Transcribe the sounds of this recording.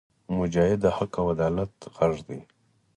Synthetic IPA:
mʊd͡ʒɑːhɪd̪ahakawad̪ɑlat̪ɣaʐd̪ḭ

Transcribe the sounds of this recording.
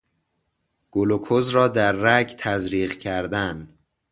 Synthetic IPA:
ɡ̥olokʰozɾɒːd̪æɾːæɟt̪ʰæzɾiːɣcʰæɾd̪æn

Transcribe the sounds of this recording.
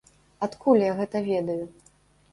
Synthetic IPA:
at̪kulʲjaɣɛt̪ɐvʲɛd̪ɐju

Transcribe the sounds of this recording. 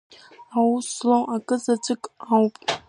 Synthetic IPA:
awuslowʔakʼɨzat͡sʼɨkʼawpʼ

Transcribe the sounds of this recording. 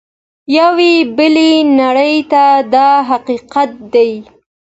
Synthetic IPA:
jawebəlenaɽəjt̪ad̪ɑɦaqiqat̪̚d̪aj

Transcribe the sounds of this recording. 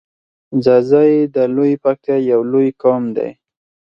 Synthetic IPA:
zazajed̪əlojipak̚t̪ajawlojkɔmd̪a̰j

